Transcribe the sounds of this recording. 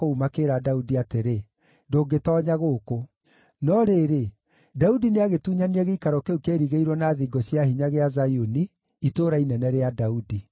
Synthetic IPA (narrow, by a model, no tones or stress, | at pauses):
oumakeɾadaudiateɾe | ndoːɡetɔːɲaɣoːko | nɔɾeɾe | daudineaɣetuːɲaniɛɣeikaɾɔkeukeːɾiɣeiɾwɔnaːðiɡɔɕjahiɲaɣeazajoniː | toːɾainɛnɛɾeadaudi